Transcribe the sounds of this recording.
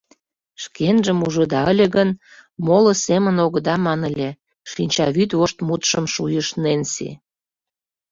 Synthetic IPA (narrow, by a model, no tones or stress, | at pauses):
ʃkenʒəmuʒə̆d̪ɑəlʲĕɣən | molə̆semənoɣə̆d̪ɑmɑnə̆lʲĕ | ʃinʲt͡ɕɑβyt̪oʃt̪mut̪ʃəmʃujəʃnensḭ